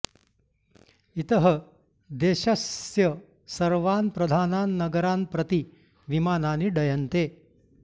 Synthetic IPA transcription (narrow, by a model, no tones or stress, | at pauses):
it̪ɐɦɐ | d̪eːʃɐsjɐ | sɐɾʋaːnpɾɐd̪ʱaːnaːnːɐɡɐɾaːnpɾɐt̪i | ʋimaːnaːniɖɐjɐnt̪eː